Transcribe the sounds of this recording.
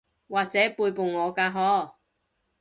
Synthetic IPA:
waː˨k̚t͡sɛː˨˥puː˧jpo˨wŋɔː˨˧kaː˧ɦɔː˨˧˥

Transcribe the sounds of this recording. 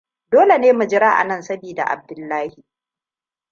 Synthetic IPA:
doː˦le˨neː˦mu˨d͡ʒɪ˦ɾaː˦ʔa̰˨nɐ˦˨nsɐ˦biː˨da̰˨ʔa̰˨b̚dʊ˦˨lːaː˦hi˨

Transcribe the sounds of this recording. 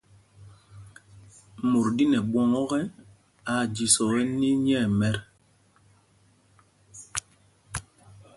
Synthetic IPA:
mo˨ɾdi˦nɛ˨ɓwɔ˦ŋɔ˦ɣɛ˦ | a˨d͡ʒi˨sɔ˨ɣɛ˦ni˦ɲɛ˦˨mɛ˦ɾ

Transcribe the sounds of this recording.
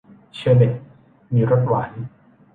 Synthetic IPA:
t͡ɕʰɯ˧de˨˩t̚ | miː˧ɾo˦˥t̪̚waː˩˦n

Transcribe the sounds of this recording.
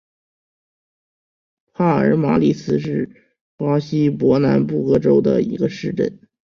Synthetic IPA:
pʰa˥˩ə̰˞˧˥ma˧˥li˥˩t͡sʰɹ̩˧˥ʂɻ̩˥˩ | pwa˥ɕi˥pwɔ˧˥na˧˥npu˥˩kɤ˥ʈ͡ʂo˥ʊd̪ə̰˨ḭ˧˥ɡə˧ʂɻ̩˥˧ʈ͡ʂə̰˥˩n

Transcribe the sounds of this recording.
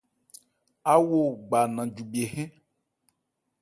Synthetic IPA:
a˦wo˦˨ɡ͡ba˨nã˨d͡ʒu˨bi˨e˨ɦɛ̃˦

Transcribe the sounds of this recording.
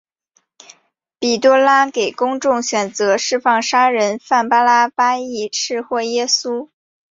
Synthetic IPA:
pi˨˩t̪wɔ˥la˥ke˨˩ɪkʊ˥ŋʈ͡ʂʊ˥˩ŋɕɥɛ˨˩nt͡sɤ˧˥ʂɻ̩˥˧fɑ˥˩ŋʂa˥ɻə˧˥nfa˥˩npa˥la˥pa˥i˥˩ʂɻ̩˥˧xwɔ˥˩jɛ˥su˥

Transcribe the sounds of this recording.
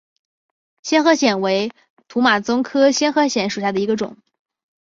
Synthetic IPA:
ɕjɛ˥nxɤ˧˥ɕjɛ˨˩nwe˧˥ɪ | t̪ʰu˧˥ma˨˩t͡sʊ˥ŋkʰɤ˥ɕjɛ˥nxɤ˧˥ɕjɛ˧˥nʂu˨˩ɕja˥˩d̪ə˩i˧˥ɡə˧ʈ͡ʂʊ̰˨˩˦ŋ

